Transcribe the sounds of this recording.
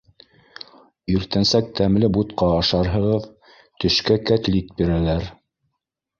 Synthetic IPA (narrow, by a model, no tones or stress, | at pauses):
ɵɾt̪ænsæk̚t̪æmlɘbut̪qɑːʃɑɾɦɤ̆ʁɤð | t̪ɵ̆ʃkækæt̪lit̪̚biɾælæɾ